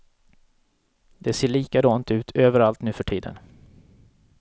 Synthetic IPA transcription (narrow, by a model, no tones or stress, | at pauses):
d̪̥ɛseːɭiːkad̪ɔnt̪ʉ̟ːt̪ʰøːvəɾalt̪nʉ̟ːfœʈʰiːd̪ə̰n